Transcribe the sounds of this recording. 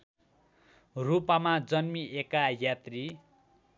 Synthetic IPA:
rupamad͡zʌnmiʔekajat̪ri

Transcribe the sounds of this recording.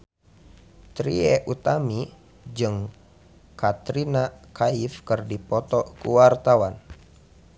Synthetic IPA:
t̪ɾḭɛʔut̪ami | d͡ʒɨŋ | kat̪ɾinakʰaifkɨrdipɔt̪ɔkṵwart̪awan

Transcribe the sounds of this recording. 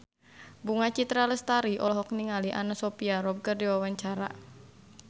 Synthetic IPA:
buŋat͡ʃit̪ɾaləst̪aɾiʔɔlɔɦɔk̚niŋaliʔanasopiaɾɔb̚kərdiwawaɲt͡ʃaɾa̰

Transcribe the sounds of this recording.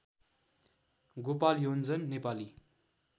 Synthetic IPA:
ɡopaljond͡zʌnːepali

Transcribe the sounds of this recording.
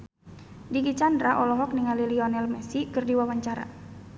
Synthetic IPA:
diɡit͡ʃandɾaʔɔlɔɦɔk̚niŋaliliɔnɛlmɛsikɨrdiwawaɲt͡ʃaɾa̰

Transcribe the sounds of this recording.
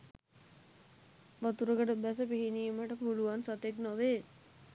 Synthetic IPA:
ʋat̪uɾəkəʈəbæs̬əpiɦiniːməʈəpuluʋansat̪eknoʋeː

